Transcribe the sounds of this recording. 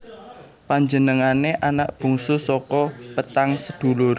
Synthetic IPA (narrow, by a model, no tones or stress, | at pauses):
paɲd͡ʒənəŋaneʔanaʔb̥ṳŋsusɔkɔpət̪aŋsəd̪̥ṳlʊr